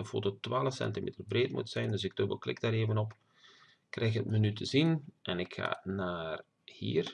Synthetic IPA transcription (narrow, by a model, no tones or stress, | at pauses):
əfo̰ːtotwaːləfsɛ̰ntimḛːtərbreːtmṵtsɛjndɵsɪɡ̚d̥ɵbəlˠklɪ̰ɡ̚daːɾeːvənɔp | krʔɛjxətmənytʰəzinʔɛnɪkxa̰ːnaːr | hḭːr